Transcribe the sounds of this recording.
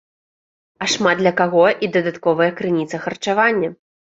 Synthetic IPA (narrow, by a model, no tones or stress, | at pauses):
ɐʂmad̪̚d̪lʲɐkaɣɔʔid̪ɐd̪at̪kɔvɐjɐkɾɨnʲit̪sɐxɐrt͡ʂavanʲːɐ